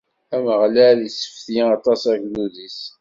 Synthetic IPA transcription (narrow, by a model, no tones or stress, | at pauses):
æməʁlælisə̥fθjɑt̪ˤɑsækluðis